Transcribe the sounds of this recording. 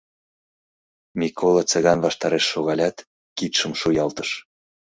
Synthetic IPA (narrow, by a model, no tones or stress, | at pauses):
mʲikʰolˠɑt͡səɣɑnvɑʃt̪ɑɾeʃːoɣɑlʲɑt̪ | kit̪ʃəmʃujɑlt̪ə̥ʃ